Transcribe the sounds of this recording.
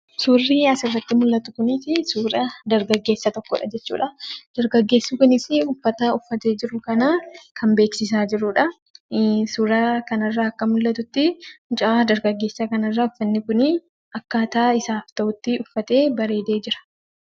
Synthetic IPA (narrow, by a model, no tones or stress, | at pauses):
suːrːiːɐsɪrːɐt̪ːɪmʊlːɐt̪ʊkʊnɪsɪsuːɾɐd̪ɐɾɡɐɡːe̞ːsːɐt̪ɔkːɔ̰ᶑɐ̰d͡ʒɛt͡ʃːṵːᶑɐd̪̥ɐɾɡɐɡːe̞ːsːuːkʊnɪsɪʊfːɐt̪ɐʊfːɐt̪e̞ːd͡ʒɪɾʊkɐnɐkʰɐmbe̞ːksɪs̬aːd͡ʒɪɾʊːᶑɐ | suːɾɐkɐnɐrːaɐkːɐmʊlːɐt̪ʊt̪ːɪt͡ʃʼaaːd̪ɐɾɡɐɡːe̞ːsːɐkɐnɐrːaʊfːɐnːɪkʊnɪ | ɐkːaːt̪aːɪsaːft̪ɐʔʊt̪ːɪʊfːɐt̪e̞ːbɐɾe̞ːd̪eːd͡ʒɪɾɐ̥